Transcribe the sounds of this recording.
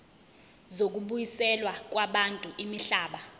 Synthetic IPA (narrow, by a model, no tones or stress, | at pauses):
zok̬uɓujisɛlwak̬waɓantʼuʔimiɬaːɓa